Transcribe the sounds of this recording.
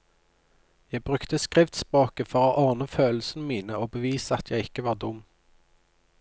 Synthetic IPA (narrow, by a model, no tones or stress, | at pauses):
jæɪbʁʉkt̪əskʁɪft̪spʁoːkəfɔʁoːʔɑʁnəføːl̩sn̩əmiːnəoːbəʋiːsəɑt̪ʰjæɪɪkəʋɑːʁd̪ʊm